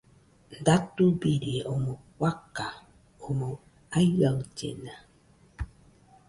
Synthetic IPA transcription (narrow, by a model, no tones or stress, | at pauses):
nd̪at̪ubiɾiomowʷaka | omo | ajwawd͡ʒḛna